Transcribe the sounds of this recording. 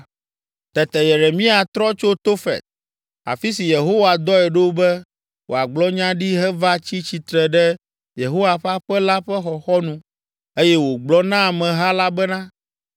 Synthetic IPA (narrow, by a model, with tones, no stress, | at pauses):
t̪ɛ˨t̪ɛ˨je˨ɾe˨mĩ˦a˨t̪ɾɔ˦t͡ʃo˦t̪o˦fɛ̰˨t̪̚ | a̰˨fi˦si˨je˨ɦo˦wa˨d̪ɔ˦ɛ˨ɖo˦bɛ˦ | wo̰˨a˨ɡ͡blɔ˦ɲã˦ɖi˦ɦɛ˦va˦t͡ɕi˦t͡ɕi˨t̪ɾɛ˨ɖɛ˦ | je˨ɦo˦wa˨ɸa˦ɸɛ˦la˦ɸɛ˦xɔ˨xɔ˦nũ˦ | e˦jɛ˦wo˨ɡ͡blɔ˦nã˦˨mɛ̃˨ɦa˦la˦bɛ˦nã˦